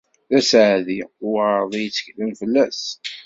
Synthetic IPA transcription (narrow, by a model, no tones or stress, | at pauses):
ðæsʕðiʊɾðˤijət͡sːə̥çləmfəlːæs